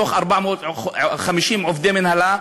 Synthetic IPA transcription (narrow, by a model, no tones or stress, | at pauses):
oːxʔɑɾˤbaʕmoxamiʃiːnmʕʊfd̪eːmɪnhala